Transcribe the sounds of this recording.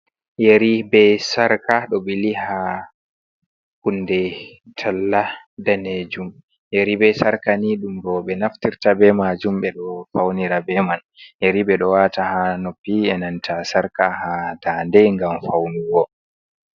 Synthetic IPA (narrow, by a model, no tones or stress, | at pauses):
jeɾibɛsaɾkaɗɔɓɛliha | kundɛ | tʰalːadaned͡ʒum | jeɾibɛsaɾkaniɗumdɔɓɛnaftiɾtabɛmad͡ʒumɓɛɗɔfawniɾabɛman | jeɾiɓɛɗɔwatahanopːiɛnantʰasaɾkahadandɛŋɡamfawniwɔ